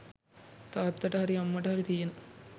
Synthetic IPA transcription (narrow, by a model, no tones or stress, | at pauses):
t̪aːd̪ːɐʈəɦaɾiamːəʈəɦaɾit̪ijenə